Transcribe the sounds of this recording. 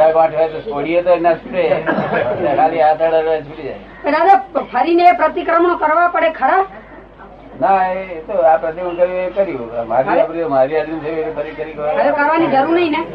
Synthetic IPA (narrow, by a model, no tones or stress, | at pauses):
akʋãʈʰaet̪osoɽiet̪oenat͡ʃʰuʈe | nekaliat̪aɽaʋat͡ʃʰuʈid͡ʒaj | pəɾad͡ʒapʰəɾineːpɾət̪ikɾəmɳokəɾʋapəɽekʰəɾa | naeet̪oapɾət̪imənkəɾuekəɾjumaɾiapɾit̪omaɾiad̪inseeɾipʰəɾikəɾikəad͡ʒokəɾʋanid͡ʒəɾuɾnəɦĩne